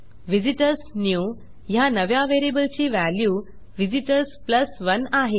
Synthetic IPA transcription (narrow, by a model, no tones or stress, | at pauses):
ʋid͡ʑiʈəɾsnju | janəʋjaʋeɾibəlt͡ɕiːʋæljuː | ʋid͡ʑiʈəɾspləsʋənaɦe